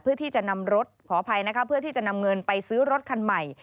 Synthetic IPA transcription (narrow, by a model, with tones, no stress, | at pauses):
pʰɯː˥˩ət̪ʰiː˥˩t͡ɕa˨˩na˧mɾo˦˥t̪̚pʰɔː˩˦pʰa˧jna˦˥kʰa˦˥pʰːɯ˥˩t̪ʰiː˥˩t͡ɕa˨˩na˧mŋɤ˧npa˧jsɯː˦˥ɾo˦˥t̪̚kʰa˧nma˨˩j